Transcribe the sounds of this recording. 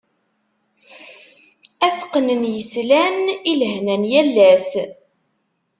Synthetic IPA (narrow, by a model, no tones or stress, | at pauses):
æθqːnənjəslænilɦnænjælːæs